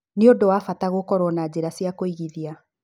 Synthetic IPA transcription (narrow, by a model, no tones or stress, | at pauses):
neodowafataɣokɔɾɔnad͡ʑeɾasiakoiɣiðia